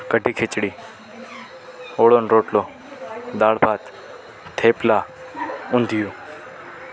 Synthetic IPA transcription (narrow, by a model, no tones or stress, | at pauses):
kəɖʱiːkʰet͡ʃɽiː | oːɽoːnɾoːʈloː | d̪aːɽbʱaːt̪ | t̪ʰeːplaː | ʊ̃nd̪ʱijuː